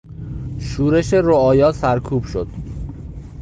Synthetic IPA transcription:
ʃuːɾe̞ʃe̞ɾoɒːjɒːsæɾkʰuːb̥ʃod̪̥

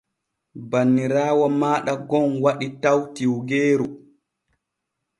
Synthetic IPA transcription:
banːiɾaːwɔmaːɗaɡɔnwaɗitawtiwɡeːɾu

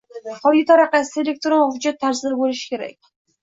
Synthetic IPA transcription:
qɒɾɡʲɪt̪ʰaɾaqasɪelʲek̚ʲt̪ɾonmavʊd͡ʒat̪ʰːaɾzɪd̪abolɪʃɪ̥kʲʰe̞ɾa̰kʲ

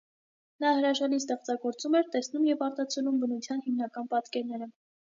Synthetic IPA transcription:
nɑhəɾɑʒɑlist̪ɛχt͡sɑɡɔɾt͡sumɛɾt̪ɛsnumjɛvɑɾt̪ɑt͡sʰɛlumbənut͡sʰjɑnhimnɑkɑnpɑt̪kɛɾnɛɾə

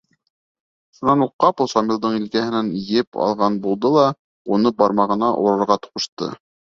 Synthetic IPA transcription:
ʃunɑnuqːɑposɑmilˠd̪ɤɴilkæhɘ̆nænjɘpʰɑ̰lˠʁɑnbulˠd̪ɤlˠɑ | unɤbɑɾmɑʁɤ̆nɑʔṵɾɑɾʁɑt̪ŭ̥ʁɤ̆ʃt̪ɤ̰

